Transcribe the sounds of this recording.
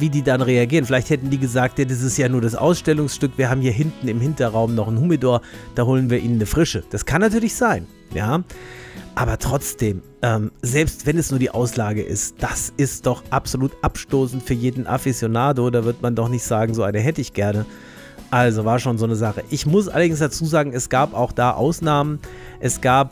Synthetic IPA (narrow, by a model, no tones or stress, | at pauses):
viːdiːdanʁeaɡiːʁənfɪlaɪçthɛtn̩diːɡəzaːk̚tadas̬ɪstjaːnuːɐdasʔa̰ʊsʃtɛlʊŋsʃtʏkv̥iːɐɦaːbm̩hiːɐɦɪntn̩ɪmhɪntɐʁaʊmnɔχnhumidɔɐd̥aːhoːlənviːɐʔiːnənːəfʁ̥ɪʃəd̥askʰanːatyːɐlɪçz̥aɪn | jaː | ʔaːbɐtʁ̥ɔt͡sd̥eːm | ʔɛːmzɛlpstv̥ɛnɛsnuːɐdiːʔaʊslaːɡəʔɪ̰std̥asɪstd̥ɔχʔapz̥oluːtʔapʃtoːsn̩tfyːɐjeːdn̩ʔa̰fizjonaːdodaːvɪɐtmandɔχnɪçtz̥aːɡŋ̩zoːʔaɪnəɦɛtəɪçɡ̥ɛɐnə | ʔalzovaːɐsʃoːnzoːnəzaχəʔɪçmʊsʔa̰lɐdɪŋsd̥at͡suːzaːɡŋ̩ɛsɡ̥aːpaʊxd̥aːʔa̰ʊsnaːmən | ʔɛsɡ̥aːp̚